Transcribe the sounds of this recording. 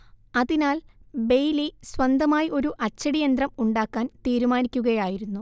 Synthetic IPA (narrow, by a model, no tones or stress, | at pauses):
ɐðinaːlbe̞jliswɐnd̪ʱɐmaːjiʔo̞ɾuʔɐt͡ɕːɐɽijɐnd̪rɐmuɳɖaːkːaːnt̪iːɾumaːnikʲːuɣɐjaːjiɾunːu